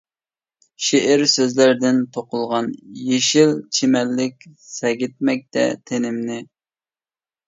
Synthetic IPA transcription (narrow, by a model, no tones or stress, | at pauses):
ʃeʔɪɾsøzlæɾd̪ɪnt̪ʰoqʊlˠʁɑnjeʃilt͡ʃʰemɛlːɪkʲsɛɡʲɪt̪̚mɛk̚ʲt̪ɛ̰t̪ʰenɪmnɪ